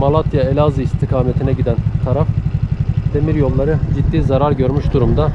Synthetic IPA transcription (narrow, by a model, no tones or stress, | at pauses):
malˠat̪ʰjaelʲazɯist̪ʰikʰaːmet̪ʰinɛɟid̪ænt̪ʰaɾaf | d̪̥emiɾjo̞lˠːaɾɯd͡ʒid̪ːiːzaɾaɾɟø̞ɾmyʃd̪uɾumd̪a